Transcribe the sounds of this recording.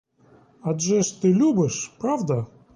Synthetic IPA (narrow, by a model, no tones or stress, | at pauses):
ad̪ʐɛʂt̪ɨlʲubɨʂpɾavd̪ə